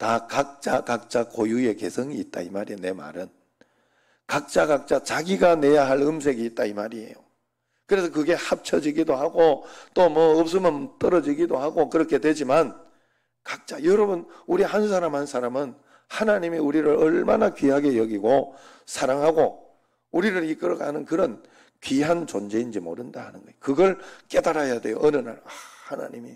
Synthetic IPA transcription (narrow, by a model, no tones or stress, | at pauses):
takak̚t͡ɕ͈akak̚t͡ɕ͈akojue̞ke̞sʰʌŋiːt̚t͈a̰imaɾiene̞ma̰ɾɯn | kak̚t͡ɕ͈aɡak̚t͡ɕ͈at͡ɕaɡiɡane̞jaɦaɭɯms̬ʰe̞ɡiːt̚t͈aimaɾie̞̰jo | kɯɾe̞s̬ʰʌkɯɡe̞hap̚t͡ɕʰʌd͡ʑiɡidohaɡot͈omʌːp̚s̬͈ʌmjʌnt͈ʌɾʌd͡ʑiɡidohaɡokɯɾʌkʰe̞dwe̞d͡ʑiman | kak̚t͡ɕ͈ajʌɾʌbɯn | uɾihans̬ʰaɾamhansʰaɾamɯn | hanaɲimiuɾiɾɯɾʌɭmanakɥiɦaɡe̞jʌɡiɡo | sʰaɾaŋɦaɡo | uɾiɾɯɾik͈ɯɾʌɡa̰nɯnkɯɾʌn | kɥiɦant͡ɕond͡ʑe̞ind͡ʑimo̰ɾɯndahanɯnɡʌjokɯɡʌɭk͈e̞daɾajadwe̞jo̰ʔʌnɯna̰ɾahana̰ɲimḭ